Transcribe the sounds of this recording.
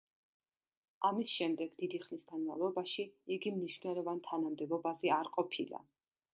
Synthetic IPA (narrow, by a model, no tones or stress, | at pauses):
amisʃɛmd̪ɛɡ̥d̪id̪iχnisɡanmavlˠɔbaʃiiɡimniʃvnɛlˠɔvant̪ʰanamd̪ɛbɔbazɛaɾqʼɔpʰḭlˠa̰